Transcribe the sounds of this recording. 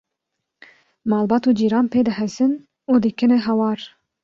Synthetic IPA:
mɑːlˠbɑːt̪uːd͡ʒiːɾɑːnpʰeːd̪ɨhɛsɨn | ud̪ɨkʰɨnɨɦɑwɑːɾ

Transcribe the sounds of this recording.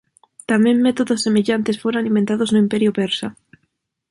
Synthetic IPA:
t̪amẽŋmːet̪oðosːemeʎant̪esfoɾaalimbent̪aðoznʊimpeɾjʊpeɾsa

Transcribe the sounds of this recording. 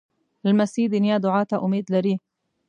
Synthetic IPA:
ɪlmasiːd̪injad̪ʊʕaːt̪aʔʊmiːd̪laɾiː

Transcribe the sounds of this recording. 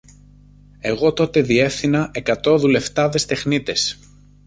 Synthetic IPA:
e̞ɣo̞t̪o̞t̪e̞ðie̞fθinɐʔe̞kɐt̪o̞ðule̞ft̪ɐðe̞st̪e̞xnit̪e̞s

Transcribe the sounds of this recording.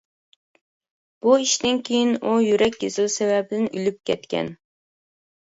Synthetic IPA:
b̥uiʃd̪ɪnkʲʰejinujyɾɛkʲɡʲezɪlsɛvɛbɪd̪ɪnylyp̚kʲʰɛt̪kʲʰɛ̰n

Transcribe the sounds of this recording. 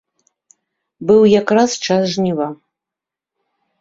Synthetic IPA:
bɨwjakrast͡ʂasʐnʲiva

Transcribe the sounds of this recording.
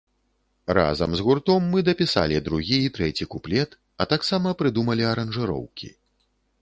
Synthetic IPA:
ɾa̰zɐmzɣurt̪ɔmːɨd̪ɐpʲisa̰lʲid̪ɾuɣʲiːt̪ɾɛt͡sʲikuplʲɛt̪ | ɐt̪aksamɐpɾɨd̪umɐlʲiɐɾɐnʐɨɾɔ̰wkʲḭ

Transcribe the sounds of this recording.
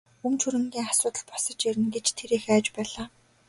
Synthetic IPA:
umt͡ɕʰuɾɘ̆ŋɡʲiːŋasʊːt̪ə̆ɮpɔsə̆t͡ɕiɾɘ̆nɡet͡ɕt̪ʰeɾiːxæːt͡ɕpæːɮaː

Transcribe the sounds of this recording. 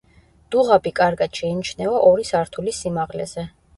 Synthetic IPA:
d̪̥uʁabikʼaɾɡad̪̥ʃɛinit͡ʃʰnɛɔʔɔɾisaɾt̪ʰulisimaʁlɛ̰zɛ

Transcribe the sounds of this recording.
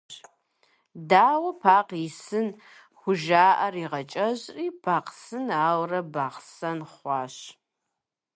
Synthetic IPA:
daːwɐpʰaːqisɨn | xʷʊʒaːʔɐriːʁɐt͡ʃʼɐʑriːpʰaːqsɨnaːwrɐbaːqsɐnχʷɑːɕ

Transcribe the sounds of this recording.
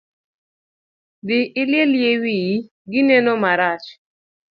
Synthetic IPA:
dɪʔɪlɪeljewij | ɡɪnɛnomaɾat͡ʃ

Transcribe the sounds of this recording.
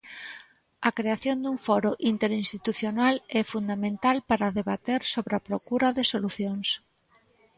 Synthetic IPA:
ɐkɾeaθjond̪uɱfɔɾoʔint̪eɾinst̪it̪uθjonalɛfund̪amẽnt̪alpaɾaðeβat̪eɾsoβɾeapɾokuɾaðesoluθjoŋs

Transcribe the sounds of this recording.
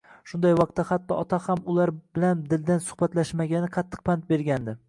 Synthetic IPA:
ʃʊnd̪ajwɒq̚t̪ːahat̪ːɒʔɒt̪ʰahamʊlaɾbɪland̪ɪld̪ansʊ̥hbat̪laʃmaɡʲanɪqʰɑt̪ʰːɨ̥q̚pʰant̪̚be̞ɾɡʲand̪ɪ

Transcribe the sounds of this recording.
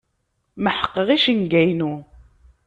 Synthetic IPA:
məħə̥qːəʁiʃəŋɡæjnu

